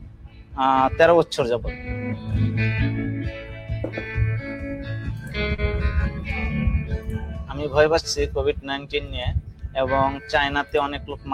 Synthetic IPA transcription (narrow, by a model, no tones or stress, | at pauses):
at̪ɛɾobɔtːɕʰoɾd͡ʑabo | amibʱɔebaʃt͡ɕʰikobʱiɖnajnʈinːieeboŋt͡ɕajnat̪eɔneklokma